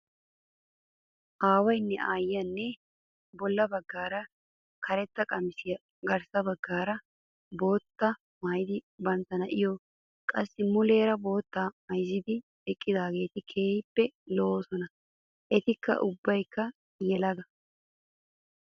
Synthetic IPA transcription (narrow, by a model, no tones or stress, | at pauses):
ʔaːwɐjnːɛʔaːjːɐnːɛ | bɔlːɐbɐɡːaːɾɐ | kʰɐɾɛt̪ːɐkʼɐmɪsɪjɐ | ɡɐɾsɐbɐɡːaːɾɐ | bo̞ːt̪ːɐ | maːjɪd̪ɪbɐnt̪ːɐnɐʔɪjɔ | kʼɐsːɪmʊle̞ːɾɐbo̞ːt̪ːaːmɐjzːɪd̪ɪ | ɛkʼːɪd̪aːɡe̞ːt̪ɪkʰeːhpːɛloːsɔnɐ | ʔɛt̪ɪkːɐ̰ʔʊbːɐjkːɐ | jɛlɐɡɐ